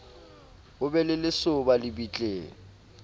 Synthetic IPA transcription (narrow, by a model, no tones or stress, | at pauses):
ʊbɛlɪlɪsʊbalɪbit͡ɬʼeːŋ̩